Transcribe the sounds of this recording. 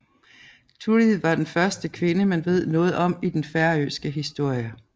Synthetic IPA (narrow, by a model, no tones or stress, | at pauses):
t͡sʰuɐlið̰̩ˠʋɑ̈d̥enfɶɐsd̥əkʰʋe̝nəmenʋe̝ð̞̰ˠnɔ̽ːð̞̩ˠɒ̽m̰id̥enfæɐø̰ːsɡ̥əɦisd̥o̝ɐ̰jə